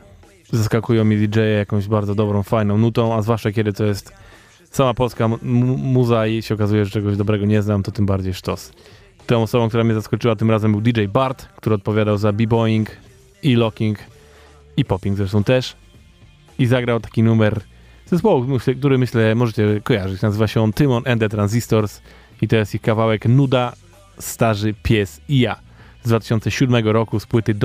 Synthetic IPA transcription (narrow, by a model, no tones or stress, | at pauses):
zaskakujɔ̃w̃mʲid̪ʲid͡ʐɛjɛjakɔ̃w̃ʑbaɾd̪zɔd̪ɔbɾɔ̃w̃fajnɔ̃w̃nut̪ɔ̃w̃azvwaʂt͡ʂakʲjɛd̪ɘt̪ɔjɛst̪ | samapɔlskamuzaiɕɛɔkazujɛʐɛt͡ʂɛɡɔʑd̪ɔbɾɛɡɔɲɛznamt̪ɔt̪ɘmbaɾd͡ʑejʂt̪ɔs | t̪ɔ̃w̃ɔsɔbɔ̃wkt̪uɾamɲɛzaskɔt͡ʂɘwat̪ɘmɾazɛmbɘwd̪ʲid͡ʐɛjbaɾt̪kt̪uɾɘɔt̪̚pɔvʲjad̪awzabʲibɔjiŋk | ilɔkʲiŋk | ipɔpʲiŋɡzɾɛʂt̪ɔ̃w̃t̪ɛʂ | izaɡɾawt̪ḁkʲinumɛɾ | z̥ɛspɔwumɛk̚t̪uɾɘmɘɕlɛmɔʐɛt͡ɕɛkɔjaʐɘt͡ɕnazɘvaɕɛɔnt̪ɘmɔnʔɛnd̪ɛt̪ɾanzʲist̪ɔɾs | it̪ɔjɛst̪ixkavawɛknud̪a | st̪aʐɘpʲjɛsija | zd̪vat̪ɪ̥ɕɔntsɛɕud̪mɛɡɔɾɔkuspwɘt̪ɘd̪